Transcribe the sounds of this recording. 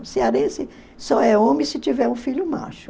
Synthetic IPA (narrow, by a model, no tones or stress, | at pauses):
sɪaɾẽsɪ | sɔɛõmɪ̃sɪt͡ʃivɛɾũfiʎʊma̰ʃʊ̥